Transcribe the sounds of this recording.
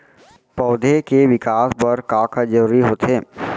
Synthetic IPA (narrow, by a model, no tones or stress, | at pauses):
pɔːd̪ʱekeʋɪkaːsbɐɾkaːkad͡ʒəɾuːɾiɦoːt̪ɦeː